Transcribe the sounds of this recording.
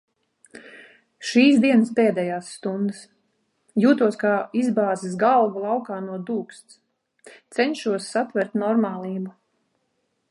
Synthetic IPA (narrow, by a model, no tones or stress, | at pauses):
ʃiːsd̪iɛnəspɛːd̪ɛjaːsːt̪und̪ɨs | juːt̪uɔskaːizbaːzisɡalˠɡulˠɑwkaːnuɔd̪uːkst̪s | t̪sɛɲʃuɔsːat̪vʲɛɾt̪nɔɾmaːlˠiːbu